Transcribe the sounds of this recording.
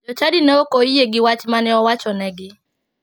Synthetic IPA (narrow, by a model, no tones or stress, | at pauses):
d͡ʒɔt͡ʃadinɛokoijeɡɪwat͡ʃmanɪɔwat͡ʃɔnɛɡɪ